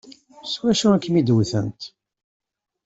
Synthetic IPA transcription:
swæʃuækːmid̪wθə̰nt̪

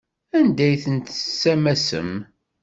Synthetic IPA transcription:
ænd̪æjθənt̪ə̥sːæmæsə̰m

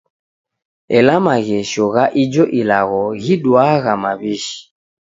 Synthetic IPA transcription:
ɛlamaɣɛʃɔɣaʔid͡ʒɔʔilaɣɔɣiɗwaɣamaβiʃi̥

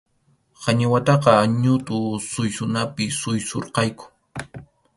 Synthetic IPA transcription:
hɑɲɪwat̪ɑqɑɲʊt̪ʊsʊjsʊnapɪsʊjso̰ɾqɑjkʊ̥

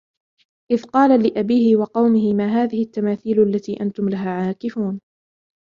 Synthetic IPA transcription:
ʔɪðqɑːlalɪʔabiːhɪwɑqɑwmɪhɪmaːɦaːðɪhɪt̪ːamaːθiːlʔalːat̪iːʔant̪ʊmlaɦaːʕaːkɪfuːn

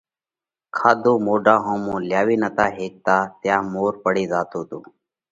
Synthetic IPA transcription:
kʰaːd̪õːmoːɖãːɦõːmũːljaːʋiːnət̪aːɦeːk̚t̪aːt̪jãːmoːɾpəɽiːzaːt̪oːt̪uː

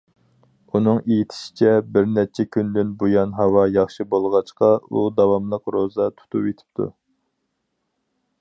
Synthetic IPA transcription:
unɨŋejit̪ʰɪ̥ʃi̥t͡ʃʰɛbɪɾnɛt͡ʃʰɛkʲʰynd̪ynbujɑnɦɑwɑjɑχʃɨbolˠʁɑt͡ʃqɑud̪ɑwɑmlˠəqɾozɑt̪ʰu̥t̪ʰupet̪ʰɪ̥p̚t̪ʰṵ

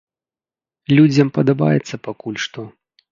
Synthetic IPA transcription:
lʲud͡zʲɐmpɐd̪aba̰jɛt̪sːɐpakulʲʂt̪ɔ

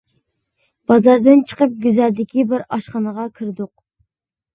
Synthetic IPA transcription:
b̥ɑzɑɾd̪ɨnt͡ʃʰə̥qəp̚ɡʲyzæɾd̪ɪkʲʰibɪɾɑʃχɑnəʁɑkʲʰiɾd̪ʊq

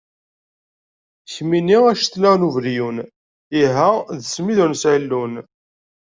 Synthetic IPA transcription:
çminiʁæʃθlæʁluvɾjun | iɦæðəsmiðʊɾnsʕilːun

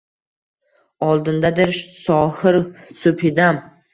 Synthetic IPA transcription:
ɒlˠd̪ɪnd̪ad̪ɪɾsɒhɪɾsʊpʰɪd̪am

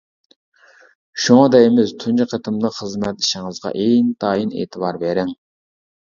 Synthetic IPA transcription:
ʃuŋɑd̪ɛjmɪzt̪ʰunt͡ʃiqʰət̪ʰɨmləχəzmɛt̪lɪʃɪŋɨzʁɑ̰ʔejnt̪ʰɑːjinḛːt̪ʰɨbɑɾbeɾɪŋ

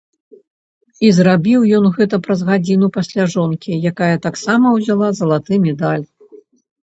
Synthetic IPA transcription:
izrabʲiwjɔnɣɛt̪̬ɐpɾɐzɣad͡zʲinupasʲlʲaʐɔnkʲijakajɐt̪aksamɐwzʲalˠazɐlˠat̪ɨmʲɛd̪alʲ

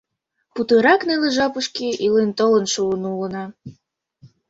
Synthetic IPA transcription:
put̪ɤɾɑkneleʒɑpuʃkiʔilent̪olənʃuənulənɑ

